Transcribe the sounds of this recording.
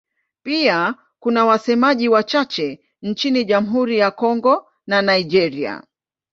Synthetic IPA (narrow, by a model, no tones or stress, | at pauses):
pia | kunawasɛmaʄiwat͡ʃat͡ʃɛ | n̩t͡ʃiniʄam̩ɦuɾijakɔŋɡɔ | nanaid͡ʒɛɾia̰